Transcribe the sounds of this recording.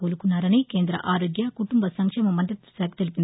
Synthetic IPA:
oːlɯkːɯnɐɾɐnɐɪkeːnd̪ɾɐ̰ʔaːɾoːɡjakʊʈːʊmbɐsɐŋkʂeːmɐmɐndɾɐt̪ːsɐːkt̪ːɛlɪpːɪn

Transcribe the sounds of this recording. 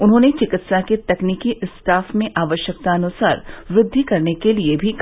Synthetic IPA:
ʊnɦõːnet͡ʃɪkɪt̪saket̪ɐkniːkiʔɪsʈʰaːfmẽʔaːʋəʃjək̚t̪aɐnʊsaːɾʋɾɪd̪ʱːikɐɾnekeliebʱik

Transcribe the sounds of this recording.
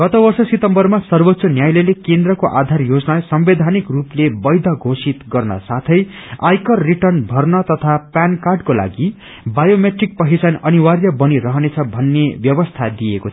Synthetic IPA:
ɡ̥ʌt̪obʌrsʌsit̪ʌmbʌrmasʌrbot̪ːsʌnjajlelekend̪rʌkoʔad̪ʱarjod͡znasʌmbed̪ʱanikruplebʌjd̪ʱʌɡʱosit̪ɡʌrnʌ̰sat̪ʰʌjajkʌrːiʈʌrnbʱʌrnʌt̪ʌt̪ʰapankarɖkola̰ɡi | bajomeʈrik̚pʌɦisanʌniwarjʌbʌniɾʌɦʌnet͡sʰʌbʱʌnːebjʌbʌst̪ʰad̪iekot͡sʰ

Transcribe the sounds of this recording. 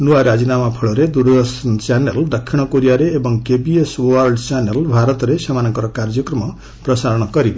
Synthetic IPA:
nuwaɾad͡zinamapʰʌɭoɾed̪uɾd̪ʌsʌnt͡saneld̪ʌkʰːiɽ̃ʌkoɾijaɾeːbʌŋkebiesoarɖt͡sanelbʱaɾʌt̪ɾesʌmanʌkʌɾʌkard͡zjʌkrʌmʌ | prʌsaɾʌ̃ʌkʌɾib

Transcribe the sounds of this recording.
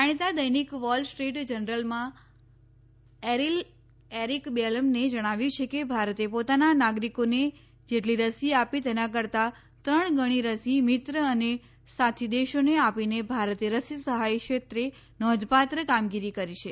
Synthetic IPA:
aɽ̃it̪ad̪əjnikʋɔlsʈɾiʈd͡ʒənɾəlmã | eɾil | eɾikbeləmned͡ʒəɽ̃aʋjut͡ʃʰekebʱaɾət̪epot̪ananaɡɾikone | d͡ʒeʈliɾəsiapit̪enãk̬əɾt̪a | t̪ɾəɳ̃ɡəɽ̃iɾəsimit̪ɾəəne | sat̪ʰid̪eʃoneapinebʱaɾət̪eɾəsisəɦajkʃet̪ɾe | nɔd̪pat̪ɾəkamɡiɾikəɾit͡ʃʰe

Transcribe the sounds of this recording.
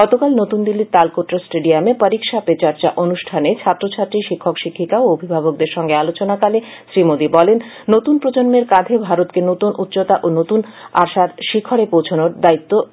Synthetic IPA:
ɡɔt̪okalnot̪und̪ilːit̪alkoʈɾasʈeɖiamepaɾikʃapet͡ɕaɾt͡ɕaʔonuʃʈʰanet͡ɕʰat̪ːɾot͡ɕʰat̪ːɾiʃikʰːokʃikʰːikaoobʱibʱabok̚d̪eɾʃɔŋɡealot͡ɕonakale | ʃɾimod̪ibɔlenː | ot̪unpɾod͡ʑonmeɾkad̪ʱebʱaɾot̪kenot̪unʔut̪ːɕot̪aʔonot̪unaʃad̪ʃikʰːoɾepowt͡ɕʰonoɾd̪ait̪ːo

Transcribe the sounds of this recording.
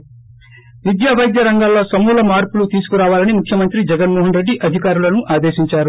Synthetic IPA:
ʋid̪jaːʋɐjd̪jɐɾɐŋɡaːlːo̞ːsɐmuːlɐmaːɾpulut̪iːsu̥kuɾaːʋaːlɐnimukʰjɐmɐnt̪ɾid͡ʒɛɡɐnmoːɦɐnɾe̞ɖːiʔɐd̪ʱikaːɾulɐnuʔaːd̪eːʃiɲt͡ʃaːɾu

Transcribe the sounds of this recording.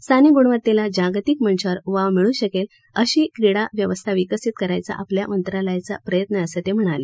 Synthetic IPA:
st̪ʰaniːɡuɳʋət̪elad͡ʑaɡt̪ikməɳɕəɾʋaʋmiɭũːɕəkel | əɕiːkɾiɽaʋjəʋəst̪ʰaʋikəsit̪̚kəɾajt͡sa̰ʔaplja̰mənt̪ɾalajt͡sa̰pɾəjət̪nəəsət̪em̤əɽ̃ale

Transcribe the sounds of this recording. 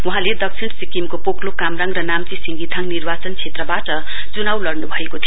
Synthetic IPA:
wuɦãled̪ʌk̚t͡sʰiɳsikimkopoklokamraŋrʌnamt͡sisiŋɡit̪ʰaŋnirbat͡sʌnt͡sʰet̪rʌbaʈʌ | t͡sunawlʌrnubʱʌekot̪ʰijo

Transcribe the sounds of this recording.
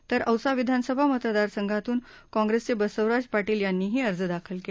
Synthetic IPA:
t̪əɾəwsaʋid̪ʱansəbʱamət̪ɾəd̪aɾsəŋɡʱat̪uːn | kɔ̃ŋɡɾest͡sebəsəʋɾad͡zpaʈiːljanːiːɦiːəɾd͡zd̪akʰəlke

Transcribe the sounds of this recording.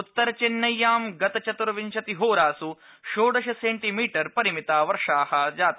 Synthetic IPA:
ut̪ːɐɾɐt͡ʃinːɐjːaːmɡɐt̪ɐt͡ʃɐt̪uɾɐʋiɲʃɐt̪iɦoːɾaːsu | ʃoːɖɐʃɐseːɳʈimiːʈɐɾpɐɾimit̪aːʋɐɾʂaːhɐd͡ʒaːt̪

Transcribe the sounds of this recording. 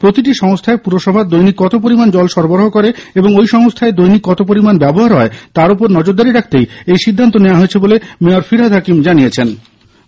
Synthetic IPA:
pɾot̪iʈiʃɔŋst̪ʰaepuɾoʃɔbʱaɾd̪ojnikːɔt̪op̬oɾimand͡ʑɔlʃɔɾboɾoɦokɔɾeeboŋojʃɔŋost̪ʰaed̪ojnikːɔt̪opoɾimanbɛboɦaɾɦɔet̪aɾopoɾnɔd͡ʑoɾd̪aɾiɾakʰt̪ejejʃid̪ʱːant̪onewaɦoet͡ɕʰebolemeoɾfiɾɦad̪ʱakimd͡ʑaniet͡ɕʰen

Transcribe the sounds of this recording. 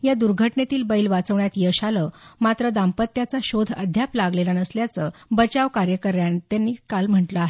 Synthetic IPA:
jad̪uɾɡʱəʈnet̪iːlbəilʋat͡səʋɳjat̪jəɕaləmat̪ɾəd̪ampət̪ːjat͡saɕod̪ʱə̰d̪ʱjaplaɡlelanəsljat͡səbət͡ɕaʋkaɾjəkəɾjant̪janːiːkalm̤əɳʈləaɦe

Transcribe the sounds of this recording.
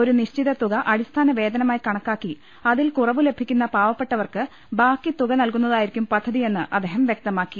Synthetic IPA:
o̞ɾuniɕt͡ɕiðɐt̪uɣɐʔɐɽist̪ʰaːnɐʋe̞ːd̪ɐnɐmaːjikɐɳɐkːaːkːi | ɐðilkurɐʋɨle̞bʱikʲːun̪ːɐpaːʋɐpːe̞ʈːɐʋɐrkɨ | baːkːit̪uɣɐnɐlkunːɐðaːjiɾikʲːumpɐd̪ʱːɐðije̞nːɨʔɐd̪eːɦɐmʋjek̚t̪ɐmaːkːi

